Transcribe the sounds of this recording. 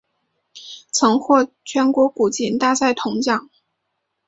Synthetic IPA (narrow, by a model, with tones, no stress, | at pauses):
t͡sʰɤ˧˥ŋxwɔ˥˩ | t͡ɕʰɥɛ˧˥nkwɔ˧˥ku˨˩t͡ɕi˧˥nt̪a˥˧t͡sa˥˩ɪt̪ʰʊ˧˥ŋt͡ɕjɑ˨˩˦ŋ